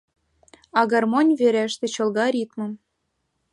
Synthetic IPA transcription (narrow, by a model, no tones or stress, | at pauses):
ɑɣɑrmonʲveɾæʃt̪ĕt͡ɕɤ̆lɣɑɾʲit̪mɤ̆m